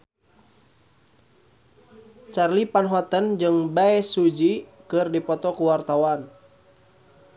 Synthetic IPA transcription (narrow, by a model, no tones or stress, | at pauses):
t͡ʃarlipanɦɔt̪ənd͡ʒɨŋbaɛsud͡ʒikɨrdipɔt̪ɔkuwart̪awan